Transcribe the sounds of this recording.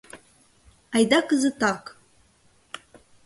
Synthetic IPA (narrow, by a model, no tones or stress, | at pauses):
ajd̪akɨzɨtakʼ